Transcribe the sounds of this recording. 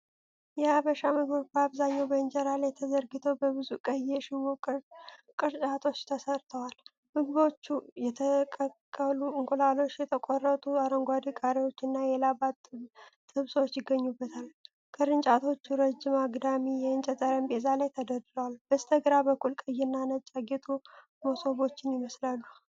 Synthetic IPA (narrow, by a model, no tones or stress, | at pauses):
jɛaβəʃamɨɡbot͡ʃbəaβzaɲːawbəɨnd͡ʒɛɾalajt̪ʰəzəɾɡɨt̪ʰəwbəβɨzukʼəjːɛʃɪwo | kʼɨɾt͡ʃʼat̪ʰo̞t͡ʃːt̪ʰəsəɾt̪ʰəwal | mɨɡɨβo̞t͡ʃːujɛt̪ʰəkʼəkʼːəluɨŋɡolalo̞t͡ʃːjɛt̪ʰəkʷʼɔrːət̪ʼuaɾəŋɡʷad̪ikʼaɾiwo̞t͡ʃːɨnːajɛlabat̪ː | ɨβsowt͡ʃːjɪɡːəɲːubːət̪ʰal | kʼʰəɾɨnt͡ʃʼat̪ʰo̞t͡ʃːuɾəd͡ʒɪmaɡd̪amijɛɨnt͡ʃʼɛt̪ʼəɾəmbezalajt̪ʰəd̪əd̪ɨləwalb̥əst̪ʰəɡɾabəkʰʼːulkʼəjːɪnːanət͡ʃʼaɡet̪ʰʼu | moso̞βo̞t͡ʃːɪnjɪməslalːu